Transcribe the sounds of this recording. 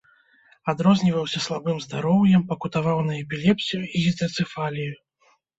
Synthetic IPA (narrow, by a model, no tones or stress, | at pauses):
ad̪ɾɔzʲnʲivɐwsʲɐslˠabɨmzd̪aɾɔwjɛmpɐkut̪avawnɐjɛpʲilʲɛpsʲijuiɣʲit̪ɐt̪sɨfalʲiju